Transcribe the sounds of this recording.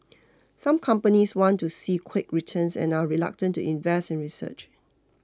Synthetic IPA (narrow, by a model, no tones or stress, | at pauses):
sãmkʰãmpəniswɔ̃ntusikʰwɪkɹitʰə̃nsɛ̰̃naɹila̰k̚tə̃ntːuʔĩnvɛstɛ̃nɹisə̰t͡ʃ